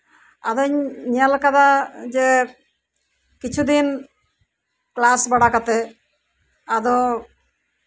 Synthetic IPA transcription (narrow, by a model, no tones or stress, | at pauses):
a̰d̪ɔɲɲalkad̪ad͡ʒe | kit͡ʃʰud̪in | klasbaɽakat̪e | ad̪ɔ